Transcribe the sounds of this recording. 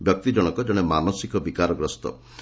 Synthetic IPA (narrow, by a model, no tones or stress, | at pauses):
bjɔk̚t̪id͡ʒɔɽ̃ɔkɔd͡ʒɔɽ̃emanɔsikɔbikaɾɔɡɾɔst̪ɔ̰